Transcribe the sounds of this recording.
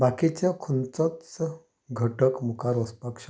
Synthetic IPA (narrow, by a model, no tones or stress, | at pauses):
bakit͡ɕakʰunt͡sɔt͡s | ɡʱəʈəkmukaɾɔspakʂ